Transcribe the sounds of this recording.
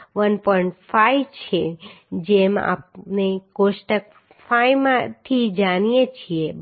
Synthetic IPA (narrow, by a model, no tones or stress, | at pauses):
ʋənpɔiɳʈfaiʋt͡ʃʰe | d͡ʒema̰p̚nekoʃʈək̚ | fajmãt̪ʰid͡ʒanijet͡ʃʰie